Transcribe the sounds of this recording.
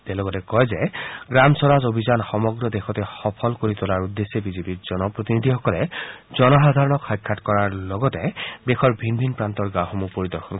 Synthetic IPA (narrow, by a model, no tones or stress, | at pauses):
telɔɡɔtɛkɔjzɛɡɹamsɔɹazobʱizanxɔmɔɡɹɔdexɔtɛxɔpʰɔlkoɹitɔlaɹudːesːebizepiɹz̥ɔnɔpɹot̪inid̪ʱixɔkɔlɛzɔnɔɦad̪ʱaɹɔnɔkxajkʰːatkɔɹaɹlɔɡɔtɛdexɔɹbʱinbʱinpɹantɔɹɡaxɔmupoɹidɔɹxʰɔn